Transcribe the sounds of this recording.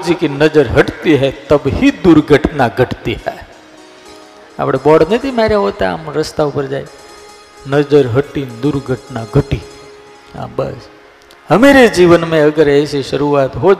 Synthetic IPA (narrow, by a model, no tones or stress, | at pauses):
d͡ʒikinəd͡ʒəɾɦəʈt̪iɦɛt̪əbɦid̪uɾɡʱəʈnaɡʱəʈt̪iɦɛ | a̰pɽ̃ebɔɽnət̪imaɾjaɦot̪aa̰mɾəst̪aupəɾd͡ʒaj | nəd͡ʒəɾɦəʈid̪uɾɡʱəʈnaɡʱəʈi | ɦã̰bə̰s | həmeɾed͡ʒiʋənmẽəɡəɾeseʃəɾuʋat̪ɦo